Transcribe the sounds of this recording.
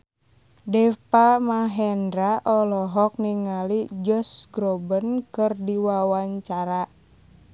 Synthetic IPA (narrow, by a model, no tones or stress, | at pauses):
dɛpamaɦɛndɾaʔɔlɔɦɔk̚niŋalid͡ʒɔsɡɾɔbənkɨrdiwawaɲt͡ʃaɾa